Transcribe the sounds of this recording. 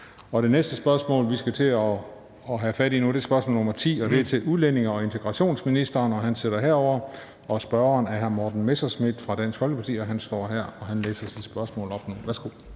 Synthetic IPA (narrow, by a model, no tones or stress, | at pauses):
ɒ̽ɾe̝nesd̥əsb̥ɶɐsmɔ̰̽ːlʋisɡ̥æt͡sʰe̝ɒː | ɦæfæɾinud̥e̝sb̥ɶɐsmɔ̰ːlnomɐt͡sʰḭːɒ̽d̥e̝æɐt͡sʰe̝ʔuðˠlene̝ŋɐɒ̽e̝nt͡sʰeɡ̥ʁɑ̈ɕo̝̰ːnsminisd̥ɐːnɒ̽ɦænseɾ̥ɐɦɛɐ̰ɒʊ̰ɐ | ɒ̽sb̥ɶɐɐːnæɐɦæɐmɒːd̥n̩mesɐsmid̥fʁɑ̈d̥æn̰sɡ̥fɒ̽lɡ̥əpʰɑ̈t͡sʰḭːɒɦænsd̥ɒ̰ːɦæɐ̰ɒ̽ɦænlḛːsɐsid̥sb̥ɶɐsmɔ̰ːlɒ̽b̥nuʋæɐsɡ̥o̝̰